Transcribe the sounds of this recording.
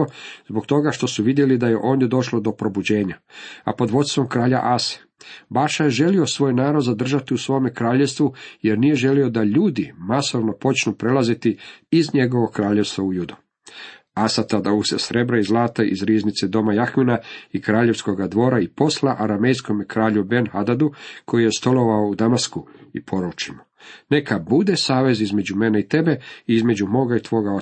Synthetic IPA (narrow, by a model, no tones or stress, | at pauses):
ozbokt̪o̞ɡaʃt̪o̞suʋid̪jelid̪ajeʔo̞ːnd̪jed̪o̞ʃlod̪o̞pɾo̞bud͡ʑe̞ːɲaa̰po̞d̪ʋo̞t̪st̪ʋo̞mkɾaːʎa̰ʔase̥ | baʃajeʒe̞lio̞sʋo̞ːjnaːɾo̞d̪zad̪r̩ʒat̪iusʋo̞jomekɾaːʎe̞st̪ʋujeɾnije̞ʒe̞lio̞d̪aʎuːd̪imasoʋnopo̞t͡ʃnupɾe̞lazit̪iizɲe̞ɡo̞ʋo̞kɾaːʎest̪ʋaujud̪u | asat̪ad̪ausesɾe̞bɾaizlˠaːt̪aḭzɾiːznit̪sed̪o̞majaxminaikɾaːʎe̞ʋsko̞ɡad̪ʋo̞ːɾaipo̞slaʔaɾame̞jsko̞mekɾaːʎubenhad̪ad̪ukʰo̞jije̞st̪o̞lo̞ʋaoud̪amaskuipʰo̞ɾut͡ʃimo | ne̞kabud̪esaːʋe̞zizme̞d͡ʑumeneit̪e̞be̞iizme̞d͡ʑumo̞ːɡait̪ʋo̞ːɡao